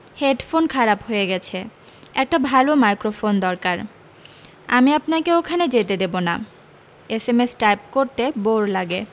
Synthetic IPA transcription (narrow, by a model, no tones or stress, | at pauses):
heɖfonkʰaɾapɦoeɡɛt͡ɕʰe | ɛk̚ʈabʱalomajkɾofond̪ɔɾkaɾ | a̰miapnakeokʰaned͡ʑet̪ed̪ebona̰ | esemesʈajp̚koɾt̪eboɾlaɡe